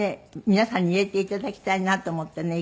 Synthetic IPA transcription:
eminæsɑniet̪ːˑit̪ːæt̪æki̥t̪ænnɑt̪ːomut̪ːɑne

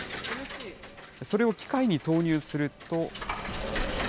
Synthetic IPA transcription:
so̞ɾe̞o̞kʲi̥kaiɲ̟it̪o̞ːɲ̟ɨːsɨɾɯ̟t̪o̞

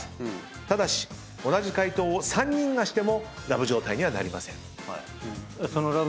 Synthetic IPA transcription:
t̪ad̪aɕi̥ | o̞naʑikait̪o̞ːsãɲ̟ːĩŋɡaɕi̥t̪e̞mo̞ɾabɯ̟ʑo̞ːt̪aiɲ̟iβana̰ɾʲima̰sẽ̞̰ŋ | sonoɾa

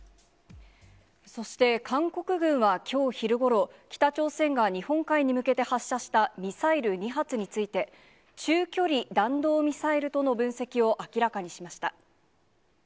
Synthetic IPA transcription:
so̞ɕi̥t̪e̞kʰãŋko̞kɯ̟ɡɯ̟̃ɰ̃βakʲo̞ːçiɾɯ̟ɡo̞ɾo̞kʲi̥t̪at͡ɕo̞ːsẽ̞ŋɡaɲ̟ihõ̞ŋkaiɲ̟imɯ̟ke̞t̪e̞haɕːaɕi̥t̪amʲisaiɾɯ̟ɲ̟iɦat͡sɨɲ̟it͡sɨit̪e̞ | t͡ɕɨːkʲo̞ɾʲid̪ãnd̪o̞ːmʲisaiɾɯ̟t̪o̞no̞bɯ̟̃ɰ̃se̞kʲio̞ʔakʲiɾakaɲ̟iɕimaɕi̥t̪a

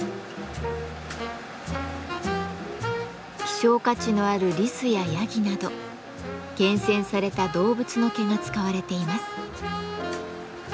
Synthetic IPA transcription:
kʲi̥ɕo̞ːkat͡ɕino̞aɾɯ̟ɾʲisɨjajaɡʲinad̪o̞ | ɡ̥ẽ̞ɰ̃sẽ̞ɰ̃saɾe̞t̪ad̪o̞ːbɯ̟t͡sɨno̞keŋat͡sɨ̥kaβaɾe̞t̪e̞imasɨ̥

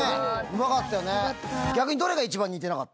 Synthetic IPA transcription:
eɯ̟makat̪ːajoneɡʲakɯ̟ɲ̟id̪o̞ɾe̞ɡait͡ɕibãɲ̟ːiːt̪enaka̰t̪ː

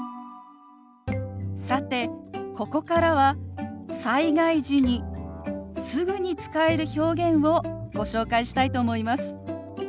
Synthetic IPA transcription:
sat̪e̞ko̞ko̞kaɾaβasaiɡaiʑiɲ̟i | sɨɡɯ̟ɲ̟it͡sɨ̥kae̞ɾɯ̟ço̞ːɡẽ̞ɰ̃βo̞ɡ̥o̞ɕo̞ːkaiɕi̥t̪ait̪o̞ːmo̞imasɨ̥

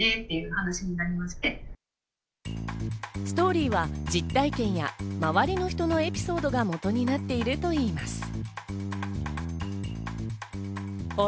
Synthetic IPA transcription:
et̪ːejɯ̟hanaɕiɲ̟inaɾʲimaɕi̥t̪e̞ | sɨ̥t̪o̞ːɾʲiːβad͡ʑit̪ːaikẽ̞ɰ̃jamaβaɾʲino̞çi̥t̪o̞no̞e̞pʲi̥so̞ːd̪o̞ɡamo̞t̪o̞ɲ̟inat̪ːe̞iɾɯ̟t̪o̞iːmasɨ̥ | o

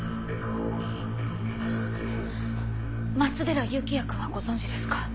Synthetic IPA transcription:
mat͡sɨd̪e̞ɾajɯ̟kʲijakɯ̟βaɡo̞zõ̞ɲ̟d͡ʑid̪e̞sɨ̥kḁ

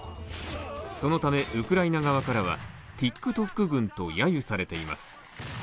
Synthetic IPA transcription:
so̞no̞t̪ame̞ʔɯkɯ̟ɾainaɡaβ̞akaɾaβ̞a̰ | t̪ʲikːɯ̟t̪o̞kːɯ̟ɡɯ̟̃nt̪o̞jajɯ̟saɾe̞t̪e̞ima̰sɨ̥

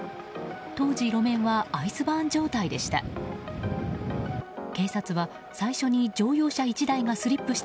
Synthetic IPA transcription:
t̪o̞ːd͡ʑiɾo̞mẽ̞ɰ̃βaːisɨbãːɲd͡ʑo̞ːt̪aid̪e̞ɕi̥t̪a̰ | ke̞ːsat͡sɨβa | saiɕo̞ɲ̟id͡ʑo̞ːjo̞ːɕait͡ɕid̪aiɡasɨɾʲipːɯ̟ɕi̥t̪

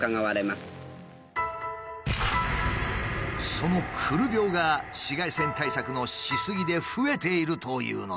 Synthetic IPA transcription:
kaŋaβaɾemasɨ̥ | so̞no̞kʰɯɾɯ̟bʲjo̞ːɡaɕiɡaisẽ̞nt̪aisakɯ̟no̞ɕisɨɡʲid̪e̞ɸɯ̟e̞t̪e̞iɾɯ̟t̪o̞jɯ̰ːno

